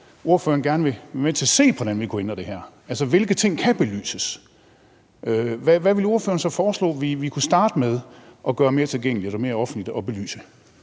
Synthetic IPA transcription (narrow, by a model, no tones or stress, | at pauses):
ʔo̝ɐfø̰ːɐn̩ɡ̥æɐnəʋe̝ʋen̰t͡sʰe̝ɐse̝̰ːpʰɒɾ̥ænʋikʰuenɐd̥e̝ɦæɐ̰ | ælsəʋe̝lɡ̥ət͡sʰe̝ŋ̰kʰæb̥e̝ly̰ːsəs | ʔøʋæʋæʋe̝lo̝ɐfø̰ːɐnsɒ̽fɒːslɔ̰ːʋiʋikʰusd̥ɑ̈ːd̥əmeð̞ˠʔɒ̽ɡ̥ɶːɐme̝ːɐt͡sʰe̝lɡ̥eŋ̰liɒɾɒme̝ːɐɒ̽fn̩lid̥ɒ̽b̥e̝ly̰ːsə